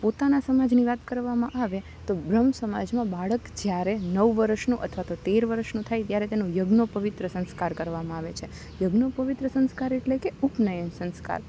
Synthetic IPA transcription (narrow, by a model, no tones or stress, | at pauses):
pot̪anasəmad͡ʒniʋat̪kəɾʋamãʔaʋe | t̪obɾəmsəma̰d͡ʒmãbaɭəkd͡ʒjaɾenəʋʋəɾʃnũʔə̰t̪ʰʋat̪ot̪eɾʋəɾəʃnũt̪ʰajt̪jaɾet̪enũjəɡnopəʋɪt̪ɾəsə̃nskaɾkəɾʋamãaʋet͡ʃʰe | jəɡnopəʋit̪ɾəsə̃nskaɾeʈlekeupnəjəmsə̃nska̰ɾ